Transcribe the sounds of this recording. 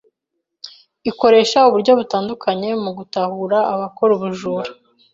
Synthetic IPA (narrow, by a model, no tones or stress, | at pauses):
iko̞ɾe̞ːʃauβuɾɟo̞βutaːndukʰaɲe̞muɡutahuɾaʔːβako̞ɾuβuʒuːɾe